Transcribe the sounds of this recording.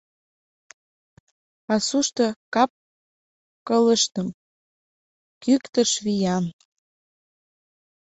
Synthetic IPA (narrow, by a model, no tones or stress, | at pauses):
ɑsuʃt̪ɤ̆kɑp̚ | kɤlə̆ʃt̪əm | kykt̪əʃβijɑn